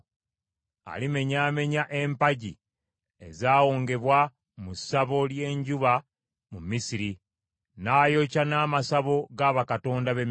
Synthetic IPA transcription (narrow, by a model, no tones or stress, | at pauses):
a̰lime̞ɲaːme̞ɲaʔe̞mpaɟi | e̞zaːwoːŋɡe̞βwa | musaβo̞lje̞ːɲɟuβa | mumisiɾi | naːjo̞canaːmasaβo̞ɡaβakato̞ːndaβem